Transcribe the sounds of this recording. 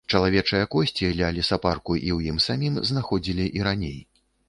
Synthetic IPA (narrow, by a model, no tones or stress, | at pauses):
t͡ʂɐlˠavʲɛt͡ʂɨjɐkɔsʲt͡sʲilʲɐlʲisaparkuʔiwjimsamʲimznaxɔd͡zʲilʲiʔiɾanʲej